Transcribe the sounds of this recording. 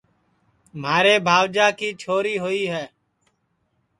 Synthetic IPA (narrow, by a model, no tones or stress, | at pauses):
maːɾeːbʱaːʋd͡ʒaːkiːt͡ʃʰoːɾiːɦoiːɦɛː